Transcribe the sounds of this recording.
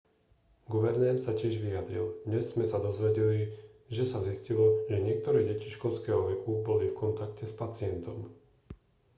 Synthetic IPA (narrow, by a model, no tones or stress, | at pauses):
ɡuʋɛɾnɛːɾsacɪɛʒʋijad̪ɾild̪ɲɛz̥ːmɛsad̪ɔzʋɛɟɛliʒɛsaziscilɔʒɛɲɪɛk̚t̪ɔɾɛːɟɛciʃkɔlskɛːɦɔʋɛkubɔlifkɔnt̪akcɛspat͡sɪɛnt̪ɔm